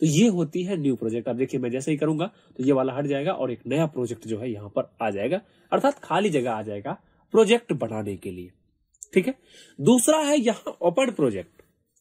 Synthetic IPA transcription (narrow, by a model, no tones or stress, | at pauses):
t̪ojeɦoːt̪iɦɛnjuːpɾoːd͡ʒɛk̚ʈɐb̚d̪eːkʰiemɛ̃d͡ʒɛːsaɦikɐɾũːŋɡa | t̪ojeʋaːlaɦɐʈʰd͡ʒaːeːɡaʔɔːɾeːknɐjapɾoːd͡ʒɛk̚ʈd͡ʒoːɦɛjɐɦãpɐɾaːd͡ʒaːeːɡa | ɐɾt̪ʰaːt̪kʰaːlid͡ʒɐɡəaːd͡ʒaːeːɡa | pɾoːd͡ʒɛk̚ʈbɐɽ̤̃aːnekelieː | ʈʰiːkɦɛː | d̪uːsɾaɦɛjɐɦãʔoːpəɳpɾoːd͡ʒek̚ʈ